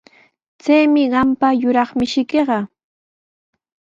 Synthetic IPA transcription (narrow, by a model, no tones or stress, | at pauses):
t͡sajmɪɢɑmpajʊɾɑχmɪʃɪkeɢɑ